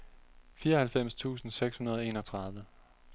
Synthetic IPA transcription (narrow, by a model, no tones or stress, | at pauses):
fiːɐʌhælfem̰st͡sʰṵːsn̩seɡ̥shunɐð̞ˠɒ̽e̝̰ːnɒ̽t͡sʰʁɑ̈ð̞ˠʋə